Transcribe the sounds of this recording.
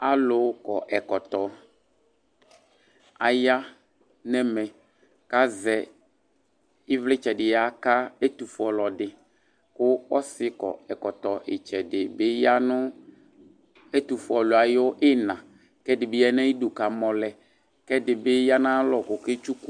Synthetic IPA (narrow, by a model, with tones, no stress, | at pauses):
a˦lʊ˨˦kɔ˨ʔɛ˨kɔ˨t̪ɔ˨ | a˨ja˦ | nɛ˦mɛ̃˨ | ka˦zɛ˨ | ɪ˦vlɪ˦t͡ʃɛ˨dɪ˨ja˨ka˦e˦t̪u˨fɔ˨lɔ˨dɪ˨ | kʊ˦ɔ˦sɪ˦kɔ̰˨ɛ˨kɔ˨t̪ɔ˨ʔɪ˨t͡ʃɛ˨dɪ˨bɪ˦ja˦nʊ̃˦ | e˦t̪u˨fʊ˨ɔ˨lʊ˨a˨jɔ˦ʔɪ˦nã˨ | kɛ˦dɪ˨bɪ˦ɛ˦nɛ̃˦i˦du˨ka˨mɔ̃˨lɛ˨ | kɛ˦dɪ˨bɪ˦ja˦nã˦lɔ˨kʊ˨kɪ˦t͡ʃu˦ku˦